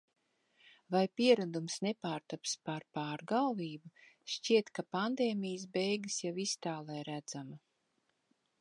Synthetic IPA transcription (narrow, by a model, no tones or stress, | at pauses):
vajpiɛɾad̪umsnepaːɾt̪apspaɾpaːɾɡalˠviːbuʃciɛt̪kapand̪eːmʲijəs̬bɛjɡɨsjavist̪aːlˠɛjɾæd̪zama